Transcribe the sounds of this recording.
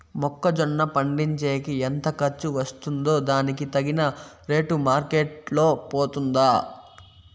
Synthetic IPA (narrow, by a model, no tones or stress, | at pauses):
mɔkːɐd͡ʒɔɳːɐpɐɳɖiɲt͡ʃeːkient̪ɐkɐɾt͡ʃːuʋɐst̪und̪o̞ːd̪aːnikit̪ɐɡinɐɾe̞ːʈumaːɾkeːʈlo̞ːpoːt̪und̪aː